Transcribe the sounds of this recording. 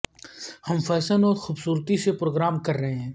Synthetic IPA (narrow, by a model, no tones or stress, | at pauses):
hɐmfɛːsənɔːɾxuːbsuːɾt̪isepɾoːɡɾaːmkɐɾːɐɦeɦɛ̃ː